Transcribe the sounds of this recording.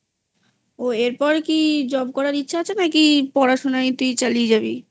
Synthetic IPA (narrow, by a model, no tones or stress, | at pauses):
oeɾpɔɾkid͡ʑɔbkɔɾaɾitːɕʰaat͡ɕʰenakipɔɾaʃonait̪uit͡ɕalied͡ʑabi